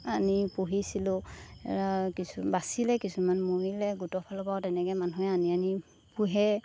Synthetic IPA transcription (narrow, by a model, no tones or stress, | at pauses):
anipuɦisilʊ̃ɛ̰ɹakisubasilɛkisumanmoɹilɛɡutɔpʰalɔbawtɛnɛkɛmanɔɛaniani | puɦɛ